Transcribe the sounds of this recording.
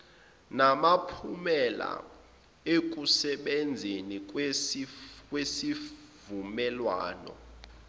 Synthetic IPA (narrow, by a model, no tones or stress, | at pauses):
namapʰumɛla̰ | ek̬ʼusɛɓend͡zʱenik̬ʼ | kʼwesi | vumɛlwa̰ːnɔ̰